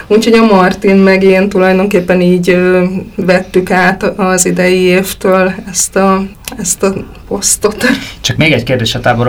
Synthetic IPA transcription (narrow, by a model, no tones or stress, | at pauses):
ucho̞ɟɒmɒrt̪inmɛɡint̪ulɒjd̪o̞ŋkeːpːɛniːɟøvɛt̪ːykaːt̪ɒzid̪ɛjieːft̪øːlɛst̪ɒ | ɛst̪ɒ | po̞st̪o̞t̪t͡ʃɒkmeːɡɛckeːrd̪eːʃɒt̪aːboɾ